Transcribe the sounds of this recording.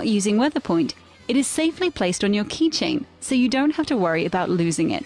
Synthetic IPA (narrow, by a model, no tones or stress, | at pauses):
ʔjʉːzɪ̃ŋwɛðəpʰɔ̃ɪ̃nt | ɨɾɨz̥seɪflipʰl̥eɪstn̩jəkʰit͡ʃɪ̰̃ŋsoʊjɨdõʊ̃nt̚haftəwɜɹiɨbaʊʔˡlʉːzɪ̃ŋɪ̰t̚